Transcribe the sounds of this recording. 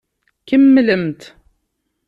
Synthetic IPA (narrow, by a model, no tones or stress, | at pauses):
kəmːləmt̪